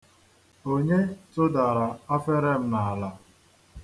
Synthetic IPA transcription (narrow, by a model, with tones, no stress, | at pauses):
o˦ɲe˦tʊ˦da˨ɾa˨a˦fe˦ɾe˦m̩˦na˨la˨